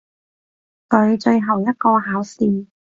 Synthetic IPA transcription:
kɵ˨˧ɥt͡ʃɵ˧ɥɦɐ˨˩wjɐ˥t̚kɔː˧ɦaː˨˥wsiː˧˩

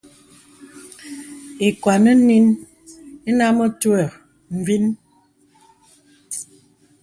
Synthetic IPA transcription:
e˨kwa˨nə˦ni˦n | e˦na˦mə˦twə˨ɾ | m̩˨vi˦n

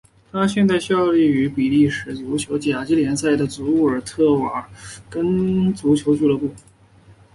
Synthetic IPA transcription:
t̪ʰa˥ɕjɛ˥˧nt͡sa˥˧ɪɕjɑ˥˧ʊli˥˩y˧˥pi˨˩li˥˩ʂɻ̩˧˥t͡su˧˥t͡ɕʰjo˧˥ʊt͡ɕja˨˩t͡ɕi˥ljɛ˧˥nsa˥˩ɪd̪ə˩t͡su˧˥u˥˩ə˞˨˩t̪ʰɤ˥˩wa˨˩˥kə˥nt͡su˧˥t͡ɕʰjo˧˥ʊt͡ɕu˥˩lə˧˥pu˥˩

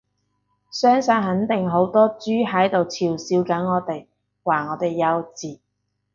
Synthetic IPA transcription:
sœː˥ŋsaː˧nɦɐ˨˥nt̪ɪ˨ŋɦo˨˥wt̪ɔː˥t͡ʃyː˥ɦɐ˨˥jt̪o˨wt͡sʰiː˨˩wsiː˧wkɐ˨˥nŋɔː˨˧t̪e˨j | waː˨˩ŋɔː˨˧t̪e˨jːɐ˨˧wt͡siː˨˩

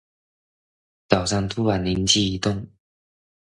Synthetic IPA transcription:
t͡sa˨˩sa˥˧ŋt̪ʰu˦wa˨˩nli˨˧˦nt͡ɕi˥˧˩i˨˩t̪ʊ˥˨ŋ

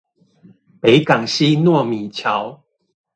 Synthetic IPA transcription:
pe˨˦ɪka˨˩ŋɕi˦nwɔ˥˨mi˨˩t͡ɕʰja˨˦ʊ

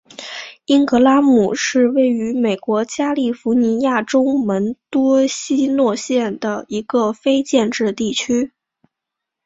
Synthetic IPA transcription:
i˥nkɤ˧˥la˥mu˨˩ʂɻ̩˥˧we˥˩ɪy˧˥me˨˩ɪkwɔ˧˥t͡ɕja˥li˥˩fu˧˥ni˧˥ja˥˩ʈ͡ʂʊ˥ʊmə˧˥nt̪wɔ˥ɕi˥nwɔ˥˧ɕjɛ˥˩nd̪ə˩i˧˥ɡə˧fe˥ɪt͡ɕjɛ˥˧nʈ͡ʂɻ̩˥˧t̪i˥˩t͡ɕʰy˥

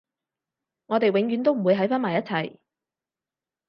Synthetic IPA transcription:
ŋɔː˨˧t̪e˨jwɪ˨˧˥ŋjy˨˧˥nt̪̬o˥wm̩˨˩wu˨˧jɦɐ˨˥jfaː˥nmaː˨˩jɐ˥t̚t͡sʰɐ˨˩j

